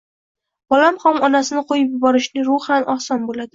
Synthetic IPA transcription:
b̥ɒlamχɒmɒnasɪnɪqʰojɪpjʊbɒɾɪʃnɪɾʊanʔɒhsɒnbolad̪ɪ

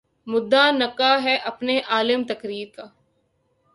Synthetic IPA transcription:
mʊd̪ːanɐkaɦɛʔɐpneʔaːlɪmt̪ɐkɾiːɾkaː

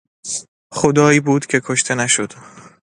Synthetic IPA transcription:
xod̪ɒːiːbuːd̪̥cʰe̞kʰoʃt̪ʰe̞næʃo̞d̪̥

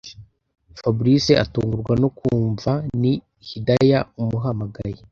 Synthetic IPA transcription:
fabuɾiseʔa̰tuːŋɡuɾɡwanokuːɱvani | hidajaumuɦamaɡaɾe

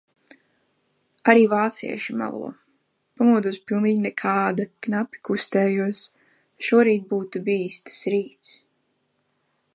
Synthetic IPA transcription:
aɾiːvaːt̪sḭɛʃima̰lˠṵ | pamuɔd̪uːspilˠniːɡnɛkʰaːd̪aknapʲi̥kust̪ɛːjuɔs | ʃuɔɾiːt̪̚buːt̪ubiːst̪ɨ̥sɾiːt̪s

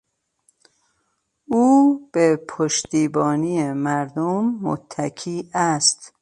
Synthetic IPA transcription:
uːb̥epʰoʃt̪iːbɒːniːemæɾd̪omːo̰t̪ʰːækʰiːæst̪

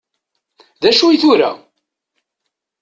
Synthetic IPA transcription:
ðæʃuiθʊɾa̰

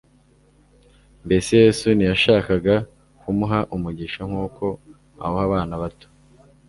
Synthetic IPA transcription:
mbe̞seje̞ːsunijaʃaːkaɡa | kumuɦaʔumuɟiʃaŋ̥uːkʰo̞ | a̰hohaβaːnaβato̥

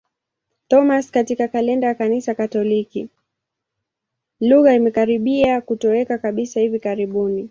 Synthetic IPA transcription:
tɔmaskatikakalɛndajakanisakatɔliki | luɣaimɛkaɾiɓiakutɔɛkakaɓisahivikaɾiɓuni

